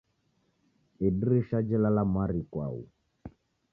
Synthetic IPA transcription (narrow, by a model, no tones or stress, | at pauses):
idɾiʃad͡ʒɛlalamaɾikwa̰ṵ